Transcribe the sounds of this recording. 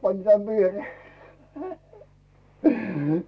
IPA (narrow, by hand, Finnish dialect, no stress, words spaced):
pɑnʲĭn̆ tæn ʋieroː